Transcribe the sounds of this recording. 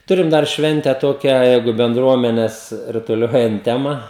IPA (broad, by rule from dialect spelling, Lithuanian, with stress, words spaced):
ˈtʊrʲɪm dɐr ˈʃʲʋʲɛnʲtʲɛ ˈtoːkʲæː ˈjɛɪɡʊ bʲɛnˈdruɔmʲɛnʲɛs rʊtʊˈlʲoːjɛnt ˈtʲæːmɐ